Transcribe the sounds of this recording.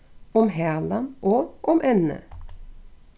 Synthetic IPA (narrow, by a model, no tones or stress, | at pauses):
ɔmɦeːlɑnʔoːʔɔmʔɛnə̰